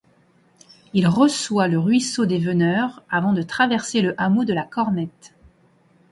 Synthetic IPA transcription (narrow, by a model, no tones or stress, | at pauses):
ilʁəswaləʁɥisod̪evənœʁavɑ̃d̪ət̪χavɛʁseləʔamod̪əlakɔʁnɛt̪